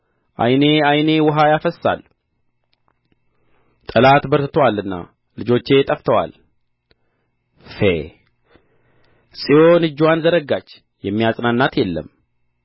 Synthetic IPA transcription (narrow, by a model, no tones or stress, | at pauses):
ʔa̰jne̞ajne̞wɔɦajafəsːa̰l | t̪ʼəlat̪bəɾt̪ɨt̪ʰəwalɨnːa̰ | lɨd͡ʒo̞t͡ʃːe̞t̪ʼəft̪ʰəwa̰l | fḛ | sʼijonɨd͡ʒːwanzəɾəɡat͡ʃː | jɛmːijasʼnanːat̪jɛlːə̰m